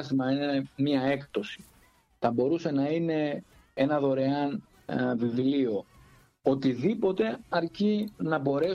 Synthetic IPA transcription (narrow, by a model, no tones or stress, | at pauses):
st̪imɐinmɐe̞kt̪o̞si̥ | θɐbo̞ɾuse̞nɐine̞ | e̞nɐðo̞ɾe̞ɐn | vivlio̞ | ot̪iðipo̞t̪e̞ɐɾcinɐbo̞ɾe̞